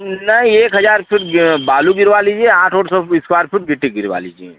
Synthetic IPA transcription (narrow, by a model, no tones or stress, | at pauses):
nɐɦĩeːkɦɐzaːɾpʰɪʈbaːluɡɪɾʋaːliːd͡ʒieãːʈʰoːʈsɔɪskwaːɾpʰɪʈ̚ɡɪʈːiɡɪɾʋa̰ːlḭːd͡ʒiḛ